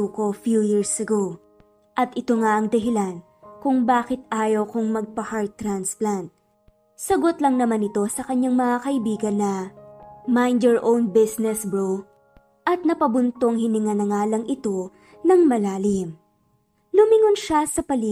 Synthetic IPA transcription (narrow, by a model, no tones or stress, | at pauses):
uko̞fjujiɹsɐɡow | ʔɐt̪ʔɪt̪o̞ŋaʔɐŋd̪ɐɦɪlan | kʊŋbaːkɪt̪̚ʔaːjɐwkoŋmɐɡ̚pɐhaɹt̪ːɾansplant̪̚ | sɐɡo̞t̪lɐŋnɐmanɪt̪o̞sɐkɐɲːaŋmɐŋakɐʔɪbiːɡɐnːɐ | majnd̪ɛɹʔownbɪsnɛsbɹo | ʔɐt̪̚nɐpɐbʊnt̪o̞ŋhɪnɪŋɐnɐŋaːlɐŋʔɪt̪o̞ | nɐŋmɐlaːlɪm | lʊmɪŋʊnʃasɐpɐli